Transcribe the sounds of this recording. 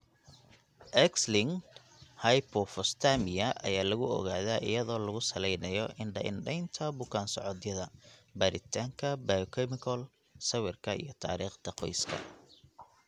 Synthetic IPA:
ʔɛkslɪŋ | hɐjpʰɔfɔst̪ʰamɪjɐʔɐ̰jaːlɐɣʊɔ̰ɣaːðaːʔɪ̰jɐðɔːlɐɣʊsɐlɛjnɐjɔʔɪnɖɐ̰ʔɪ̰nɖɛjnt̪ʰɐbʊkʰaːnsɔʕɔðjɐðɐbɐɾɪt̪ʰaːŋkʰɐbajkʰɛmɪkʰɔl | sɐwɪrkʰɐḭjɞt̪ʰa̰ːɾiːχd̪ɐqɔjskʰɐ̰

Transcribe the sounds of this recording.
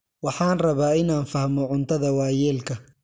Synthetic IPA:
wɑħɑːnrɐβaːɪnaːnfɐhmɔʕʊnt̪ʰɐðɐwaːjɛːlkʰɐ

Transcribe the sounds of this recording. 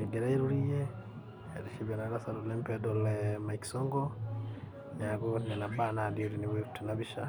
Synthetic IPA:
eɡeɾaiɾulije | ḛɾiʃiβanaɾasaɾulempedolemaiki̥soŋɡo | nakonenabanadioɾiniβeku̥tinaβiʃa

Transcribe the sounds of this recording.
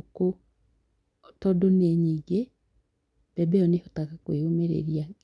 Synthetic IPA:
ko | tɔdoneɲiːɡe | b̥ɛbɛɔnehotakakweomeɾḛɾia

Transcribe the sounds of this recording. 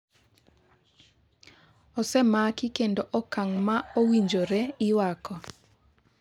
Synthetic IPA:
ɔsɛmakikendoʔɔkaŋmaowiɲd͡ʒoɾeɪwakɔ

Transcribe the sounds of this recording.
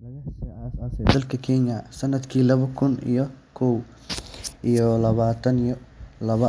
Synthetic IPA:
nɐɣɐhsiaːsaːsɛːd̪ɐlkʰɐkʰɛnjɐsɐnːɐd̪kʰiːlɐβɐkʰʊnḭjɔkʰɔw | ʔijɔlɐβaːt̪ʰɐnijɔlɐβɐ

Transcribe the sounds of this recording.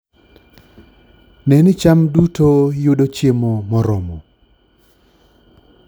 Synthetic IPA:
nɛnɪt͡ʃamdutojʊdot͡ʃjemomɔɾɔmɔ

